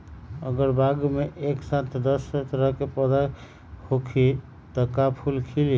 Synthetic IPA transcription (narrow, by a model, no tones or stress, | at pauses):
ə̰ɡəɾbaɡmeʔeksat̪ʰd̪əst̪əɾəɦkepəd̪a | hokʰi | t̪əkapʰulkʰili